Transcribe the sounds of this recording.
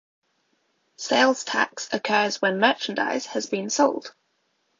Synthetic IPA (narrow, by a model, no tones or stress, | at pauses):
seɪlˠz̥tʰa̰ksəkʰɜːzwə̃nmɜˑt͡ʃə̃nda̰ɪz̥əzbĩnsɒʊlˠd̥